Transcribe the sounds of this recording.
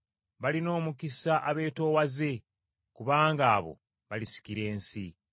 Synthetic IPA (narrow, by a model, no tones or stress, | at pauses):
βalino̞ːmukisaʔaβe̞ːto̞ːwaze̞ | kuβaːŋɡaːβo̞̰ | βalisi̥kiɾe̞ːnsi